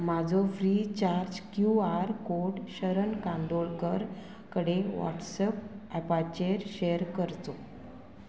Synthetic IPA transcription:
mad͡zʱɔfɾit͡ɕaɾd͡ʑkjuaɾkoɖɕəɾənkãnd̪oɭkəɾ | kəɽeʋɔ̰ʈsəp̚ɛpat͡ɕeɾɕejəɾkəɾt̪o

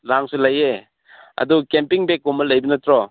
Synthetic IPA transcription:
laŋsulɐje | ɐ̰dukempiŋbek̚ːumɐlɐjbɐnɐtɾɔ

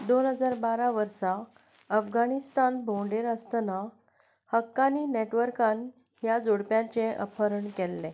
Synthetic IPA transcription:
d̪onɦəd͡zaɾbaɾaʋəɾsa | əfɡanist̪anbʱõɳɖeɾəst̪na | həkːanineʈʋəɾkan | ɦjad͡zoɽpjãt͡ɕẽʔə̰pʰəɾəɳkɛlːɛ̃

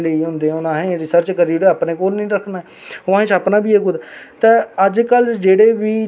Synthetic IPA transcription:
ləiːɦʊ̃nd̪eːʊnãːɦẽːɾɪsəɾt͡ʃkəɾiːɽeaːpnẽːkoːlnəĩːɾəkʰnaː | ʊãːet͡ʃaːpnãːbʱiːeːɡʊd̪t̪eːəd͡ʒkəld͡ʒeːɽeːʋiː

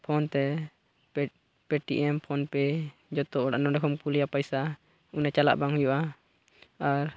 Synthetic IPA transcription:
pʰɔnt̪ɛ | pɛʈḭʔɛmpʰɔnpɛd͡ʒɔt̪ɔɔɽa̰ʔnɔɖɛkʰɔmkulijapajsa | unat͡ʃala̰ʔbaŋɦujɔʔa | aɾ

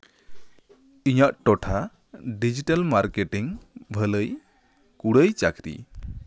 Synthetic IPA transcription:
iɲaʔʈɔʈʰa | ɖid͡ʒiʈalmaɾkeʈiŋbʱələj | kuɽəjt͡ʃakɾḭ

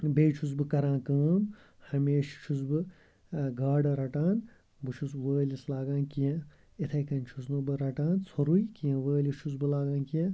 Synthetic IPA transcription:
beːt͡ʃʰus̬bɨkɐɾãːkɐːm | hɐmeːʃt͡ʃʰus̬bɨ | ɡaːɖɐɾɐʈaːn | bɨt͡ʃʰusʋəːlislaːɡãːnkijɐ̃ | it̪ʰɐjkɐnt͡ʃʰusnubɨɾɐʈaːnt͡sʰoɾujkijɐ̃ʋəːlit͡ʃʰus̬bɨlaːɡaːnkijẽ

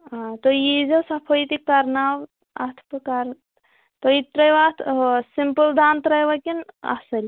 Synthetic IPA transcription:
at̪ojizɐsɐpʰojit̪ikɐɾnaw | ɐt̪ʰpəkɐɾ | t̪ojit̪ɾɐjʋat̪ʰsimpəld̪aːnt̪ɾɐjʋɐkinɐ̰sɐlʲ

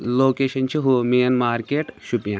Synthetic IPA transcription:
loːkeːʃɐnt͡ʃʰiɦumeːnmaːɾkeːʈʃupjãː

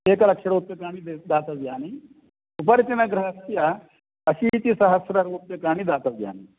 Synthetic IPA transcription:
eːkɐlɐkʃɐɾoːt̪ːekaːnid̪ed̪aːt̪ɐsɡjaːni | upɐɾt͡ʃinɐɡɾɐɦɐsija | ɐsit̪isɐɦɐsɾɐɾoːt̪ːekaːñid̪aːt̪ɐsja̰ːniː

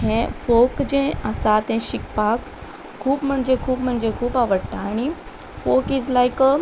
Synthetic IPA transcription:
ɦɛ̃fokd͡ʑẽəsat̪ɛ̃ʃikpak | kʰːuːbm̤əɳd͡ʑekʰuːbm̤əɳd͡ʑekʰuːpaʋəɽt̪aːñi | fokizlajk

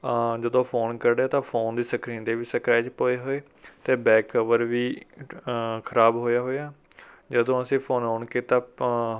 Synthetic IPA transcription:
d͡ʒəd̪õːpʰoːnkəɾɖaːt̪ãːpʰoːnd̪iːsəkɾiːnd̪eːʋiːsəkɾaːt͡ʃpoːeːɦoːeː | t̪eːbɛːkːəʋəɾʋiː | kʰəɾaːbɦoːjaːɦoːjaː | d͡ʒəd̪õːəsĩːpʰoːnɦoːɳkeːt̪ãː

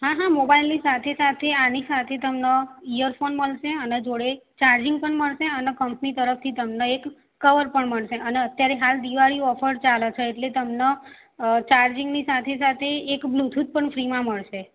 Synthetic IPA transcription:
ɦãɦãmobailnisat̪ʰesat̪ʰeanisat̪ʰet̪əmneijəɾfonməɭʃeəned͡ʒoɽet͡ʃaɾd͡ʒɪŋɡ̚pəɳməɭʃeənekəmpnit̪əɾəft̪ʰit̪əmneekː | əʋəɾpəɳməɭʃeʔəneət̪jaɾeɦald̪iʋaɭiɔfəɾt͡ʃalət͡ʃʰeːʈlet̪əmne | t͡ʃaɾd͡ʒɪŋɡnisat̪ʰesat̪ʰeːkblut̪ʰut̪̚pəɳfɾimãməɭʃe

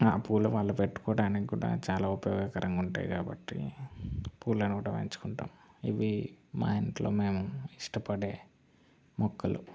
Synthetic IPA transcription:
aːpuːluʋaːɭːɐpeʈːu̥kɔːɽaːnikiɡuːɽa̰ːt͡ʃaːlaːupɐjɔːɡɐkɐɾɐŋɡuɳʈa̰ːjikaːbɐʈːḭ | puːɾlɐnikuːɽaːʋɐ̰ɲt͡ʃu̥kuɳʈa̰ːmiʋima̰ːjinʈlo̞ːmeːmuiʂʈɐpɐɽe̞ː | mɔkːɐlṵ

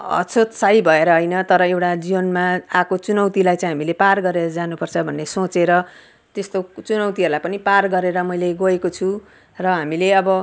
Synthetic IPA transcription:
ʌ̰t͡sʰot̪saibʱʌeɾʌɦʌjnʌt̪ʌɾʌewʈad͡zibʌnmaakot͡sunʌwt̪ilajt͡sãĩɦamileparɡʌɾeɾʌd͡zanupʌrt͡sʰʌbʱʌnːesot͡seɾʌ | t̪est̪ot͡sunʌwt̪iɦʌɾulajpʌniparɡʌɾeɾʌmʌjleɡʌekot͡sʰu | rʌɦamileʌbʌ

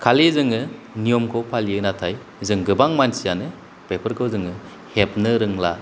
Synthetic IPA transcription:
kʰalezɯŋɯ | nijɔmkʰɔpʰalijɯnatʰaj | zɯŋɡɯbaŋmansijanɯ | pepʰɐɾkʰɯwzɯŋɯ | hep̚nɯɾɯŋla̰

